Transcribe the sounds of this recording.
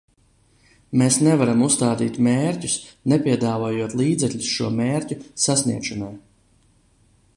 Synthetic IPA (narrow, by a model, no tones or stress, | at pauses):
meːsnɛvaɾamust̪aːd̪iːt̪meːɾcʲusnɛpʲiɛd̪aːvoːjuɔt̪lˠiːd̪zɛkʎʲusʃuɔmeːɾcʲusasnḭɛkʃɔnaj